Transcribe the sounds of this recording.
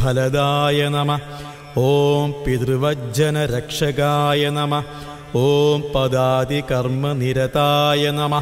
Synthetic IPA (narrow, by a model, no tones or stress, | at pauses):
bʱɐlɐd̪aːjɐnɐmɐ | oːmpit̪rʋɐd͡ʑɐnɐɾɐkʂɐɡaːjɐnɐmɐ | oːmpɐd̪aːd̪ikɐrmɐniɾɐt̪aːjɐnɐmɐ